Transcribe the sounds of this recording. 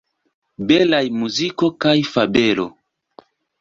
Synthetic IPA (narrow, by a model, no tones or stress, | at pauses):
belajmuziko̞kajfabelo̰